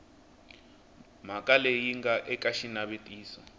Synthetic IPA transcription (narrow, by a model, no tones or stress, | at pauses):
m̤akʼalejiŋɡaʔɛkʼaʃinaβetʼiːsɔ